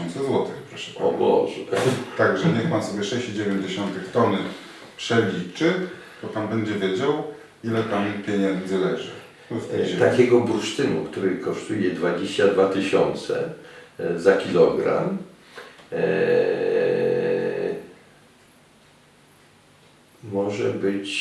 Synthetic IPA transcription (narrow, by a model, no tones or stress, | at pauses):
ɔnt̪sɛzwɔt̪ɘxpɾɔʂɛ̥ɔ̰bɔ̰ʐɛt̪aɡʐɛɲɛxpansɔbʲjɛʂɛɕt͡ɕid͡ʑevʲeɲd͡ʑeɕɔnt̪ɘxt̪ɔnɘ | pʂɛlʲit͡ʂɘ | t̪ɔpambɛɲd͡ʑɛvʲjed͡ʑaw | ilɛt̪ampʲjeɲɛnd̪zɘlɛʐɘ̰ | ft̪ɛt̪akʲɛɡɔbuʂt̪ɘnukt̪uɾɘkɔʂt̪ujɛd̪vad͡ʑeɕt͡ɕad̪vat̪ɘɕɔnt̪sɛ̰ | zakʲilɔɡɾa̰m | mɔʐɛbɘt͡ɕ